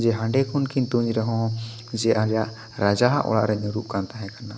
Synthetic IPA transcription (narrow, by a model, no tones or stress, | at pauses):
d͡ʒɛɦãɳɖɛkʰunkint̪uɲd͡ʒɾɛɦɔ̃ | d͡ʒɛʔaljaʔ | ɾad͡ʒaɦaʔɔ̰la̰ʔɾɛɲuɾuʔ̚kant̪aɦɛkana